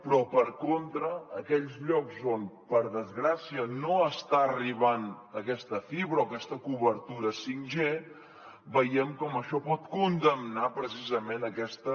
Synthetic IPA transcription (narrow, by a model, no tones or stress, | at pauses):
pɾɔpəɾkont̪ɾəːkɛʎzʎɔkzonpəɾðəzɣɾasiənoəst̪aəriβan | əkɛst̪əfiβɾəoːkɛst̪əkuβəɾt̪uɾəsiŋʒe | bəjɛmkɔməʃɔpɔt̪kund̪əmnapɾəs̬izəmenəkɛst̪ə